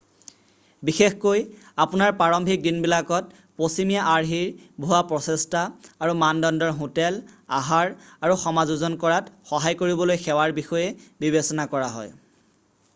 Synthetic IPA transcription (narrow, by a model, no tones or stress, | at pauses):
bixexkoj | apunaɹpaɹɔmbʱik̚dinbilakɔt̚ | posimijaʔaɹɦiɹbʱuwapɹɔsestaːɹumandɔndɔɹɦotɛla̰ɦaɹaɹuxɔmazuzɔnkɔɹatxɔɦajkoɹibɔlojxɛwaɹbixɔjɛbibesɔnakɔɹaɦɔ̰j